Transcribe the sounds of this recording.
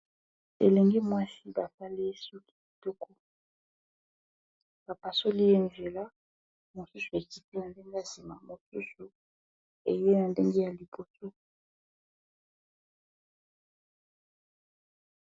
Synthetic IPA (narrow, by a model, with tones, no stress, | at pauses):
ḛ˨le˨ŋɡi˦mwa˦si˦ba˨sa˦le˦su˦ki˨˦˨to˦ko˦ | b̥a˨pa˨so˦li˦e˦nze˨la˦ | mo˨su˦su˨e˨ki˨ti˦na˨nde˦ŋɡe˦a˨si˨ma˨mo˨su˦su˨ | ḛ˨je˦na˨nde˦ŋɡe˦ja˨li˨bo˨so˦